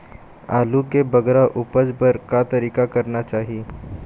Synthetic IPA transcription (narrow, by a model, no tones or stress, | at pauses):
alukebəɡɾaʔupəd͡zbəɾkat̪əɾiːkakəɾnat͡ʃaːɦi